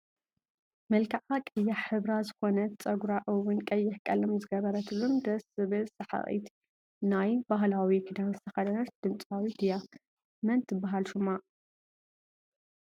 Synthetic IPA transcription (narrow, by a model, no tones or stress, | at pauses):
mɨlkʰaʕakʼɨjːaħɨβɾazɨxo̞nɐt̪t͡sʼɐɡɾaʔɨwʊnkʼɐjːɪħkʼɐlɐmzɨɡɐβɐɾɐt̪ʰɨlːomd̪ɐsɨβɨlsɐħa̰χʼḭt̪ | najbaɦlawikʰid̪anst̪ʰɐxɐd̪ɐnɐt̪̚d̪̥ɨmt͡sʼawit̪ʰɨja | mɐnt̪ʰːɨbaɦalʃumːa